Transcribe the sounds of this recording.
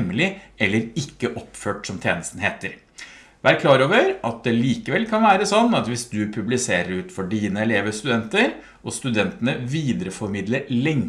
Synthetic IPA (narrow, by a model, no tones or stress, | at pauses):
mːlɪɛlːəɾɪkːəʔɔpːføːʈsɔmt̪ʰjeːnəst̪n̩heːt̪əɾ | ʋæɾkʰlɑːɾoːʋəɾʔɑt̪̚d̪ɛliːkəʋɛlkʰɑnʋæːɾəsɔnːɑt̪ʋɪsd̪ʉpʰʉblɪseːɾəɾʉːt̪fɔɖiːnəɛleːʋəst̪ʉd̪ɛnt̪əɾ | ʔɔst̪ʉd̪ɛnt̪ənəʋiːd̪ɾəfɔɾmɪd̪ləɾlɛŋ